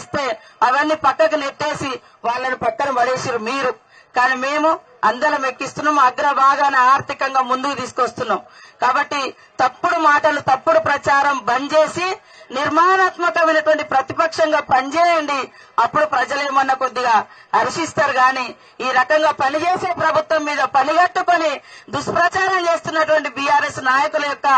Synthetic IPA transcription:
st̪e̞ː | ɐʋɐnːipɐkːɐk̬uniɾʈːeːsi | ʋaːɭːɐnipɐkːɐnɐmɐɽeːsiːɾumiːɾu | kaːniːme̞ːmu | ɐnd̪ɐlɐmekːist̪unːaːmɐɡɾɐbʱaːɡ̪aːnɐaːɾt̪ikɐŋɡaːmund̪ukut̪iːsu̥kʋɐst̪unːaːmukaːbɐʈːi | t̪ɐpːuɽumaːʈɐlut̪ɐpːuɽupɾɐt͡ʃaːɾɐmbɐnt͡ʃe̞ːsi | niɾmaːnaːt̪mɐkɐmɐɪnɐʈuʋɐɳʈipɾɐt̪ipɐkʂɐŋɡaːpɐnit͡ʃɛːjɐɳɖi | ɐpːuɽupɾɐd͡ʒɐleːmɐnːɐkod̪ːiɡaː | ɐɾiʂist̪aːɾɡaːniː | iːɾɐkɐŋɡaːpɐnit͡ʃeːse̞ːpɾɐbʱut̪ʋɐmːiːd̪ɐpɐniɡɐʈːuko̞nid̪uʂpɾɐt͡ʃaːɾɐmt͡ʃe̞ːst̪unːɐʈuʋɐɳʈibiːjaːɾeːsnaːjɐkulɐjɔkːɐ

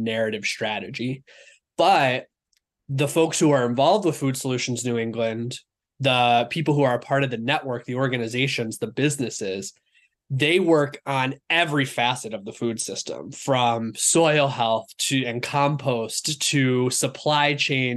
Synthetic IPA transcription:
nɛɹɨɾɨv̥stɹ̥æɾɨd͡ʒi | b̥ʌt̚ | ðəfoʊkshuə˞ɨ̃ɱvɑlˠvd̚wəð̥fʉd̥səlʉʃn̩znʉɪ̃ŋɡlɨ̃n | ðəpʰipl̩ˠhuə˞ɨpʰɑɹɾʌvðɨnɛʔwɜ˞k̚ðiɔɹɡɨnɨzeɪʃɨ̃nzðəbɪznɨsɪz̥ | ðeɪwɜ˞kn̩ɛvɹifæsɨɾʌvðəfʉd̥sɪstə̰̃ɱfɹʌ̃msɔɪl̩ˠhɛlˠθtʰɨɨ̃nkʰɑ̃mpʰoʊstʰɨsəpʰl̥aɪt͡ʃʰẽɪ̃n

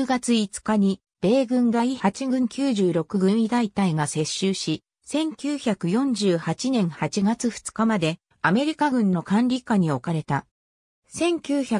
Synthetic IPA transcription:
ɡat͡sɨit͡sɨ̥kaɲ̟i | b̥e̞ːɡɯ̟̃ŋɡaihat͡ɕiɡɯ̟̃ŋkʲɨːʑɨːɾo̞kɯ̟ɡɯ̟̃ɰ̃id̪ait̪aiɡase̞ɕːɨːɕi | sẽ̞ŋkʲɨːçakɯ̟jõ̞ɲ̟d͡ʑɨːhat͡ɕinẽ̞ɰ̃hat͡ɕiɡat͡sɨɸɯ̥t͡sɨ̥kamad̪e̞ | ame̞ɾʲikaɡɯ̟̃nːo̞kãnɾʲikaɲ̟io̞kaɾe̞t̪a | sẽ̞ŋkʲɨːça

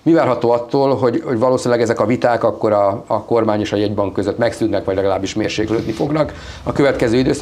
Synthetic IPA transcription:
mivaːrɦɒt̪oːɒt̪ːoːlɦo̞ɟho̞ɟvɒloːsinlɛɡɛzɛkɒvit̪aːkɒkːo̞ɾɒːko̞rmaːɲeːʃɒjɛɟbɒŋkːøzøt̪ːmɛksynːɛkʋɒɟlɛɡɒlaːbːiʃmeːrʃeːkløːt̪nifo̞ɡnɒk | ɒkøvɛt̪kɛzøːid̪øːs

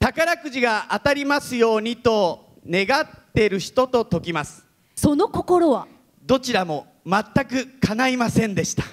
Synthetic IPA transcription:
t̪akaɾakɯ̟ʑiɡaʔat̪aɾʲimasɨjo̞ːɲ̟it̪o̞ | ne̞ɡat̪ːe̞ɾɯ̟çi̥t̪o̞t̪o̞t̪o̞kʲimasɨ̥ | so̞no̞ko̞ko̞ɾoβa | d̪o̞t͡ɕiɾamo̞ | mat̪ːakɯ̟kʰanaimasẽ̞nd̪e̞ɕi̥t̪ḁ

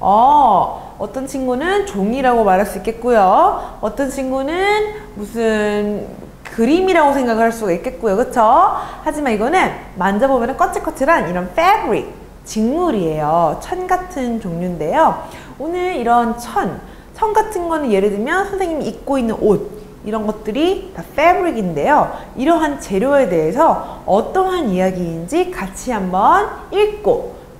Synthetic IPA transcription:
ʌ | ʌt͈ʌnt͡ɕʰiŋɡunɯnt͡ɕoŋiɾaɡomaɾɦaɭs͈uik͈e̞t̚k͈ujoʌt͈ʌnt͡ɕʰiŋɡunɯnmusʰɯn | kɯɾimiɾaɡosʰeŋɡaɣɯɭhaɭs͈udɡaik͈e̞t̚k͈ujokɯt͡ɕʰohad͡ʑimaniɡʌnɯn | mand͡ʑabomjʌnɯnk͈ʌt͡ɕ͈ʰik͈ʌt͡ɕʰɯɾaniɾʌnfʰeɡɾi | t͡ɕiŋmuɾie̞jot͡ɕʰʌnɡatʰɯnt͡ɕoŋɲunde̞jo | onɯɭiɾʌnt͡ɕʰʌn | t͡ɕʰʌnɡatʰɯnɡʌnɯnje̞ɾɯdɯmjʌnsʰʌnsʰeŋɲimiːk̚k͈oinːɯnʔod̚ | iɾʌnɡʌt̚t͈ɯɾitaf͈ebɯɾiɡinde̞joiɾʌɦant͡ɕe̞ɾjoe̞de̞esʰʌʌt͈ʌnɦanijaɡind͡ʑikat͡ɕʰiɦambʌniɭk͈o

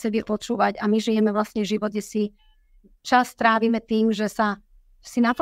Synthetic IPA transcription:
sɛbipɔt͡ʃuːʋaɟamiʒijɛmɛʋlasɲɛʒiʋɔd̪̚ɟɛsi | t͡ʃast̪ɾaːʋiːmɛt̪iːmʒɛsa | sinap

